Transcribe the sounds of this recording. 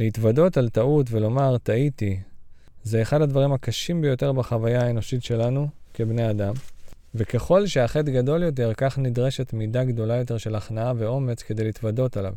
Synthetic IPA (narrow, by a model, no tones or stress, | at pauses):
leitvado̞taltaut̬velo̞maʁt̪aiti | zeːχadhad̪vaʁimakaʃimbejo̞te̞ʁbaχavajaae̞no̞ʃitʃe̞lanuke̞bne̞adam | veke̞χo̞lʃeaχe̞t̬ɡado̞ljo̞t̬e̞ʁkaχnidʁe̞ʃe̞tmidaɡdo̞lajo̞t̬e̞ʁʃe̞laχnaave̞o̞me̞t͡skede̞jlitvado̞tala̰v